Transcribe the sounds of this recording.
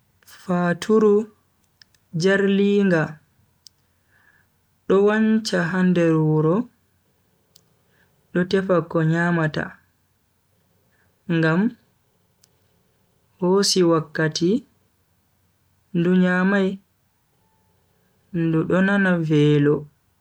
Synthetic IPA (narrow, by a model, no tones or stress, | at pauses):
fatʰuɾu | d͡ʒaɾliːŋɡa | ɗɔwaɲt͡ʃaɦandɛɾuɾɔ | ɗɔtɛfakːɔɲaːmata̰ | ŋɡam | hoːsiwakːati | nduɲamaj | nduɗɔnanavɛːlɔ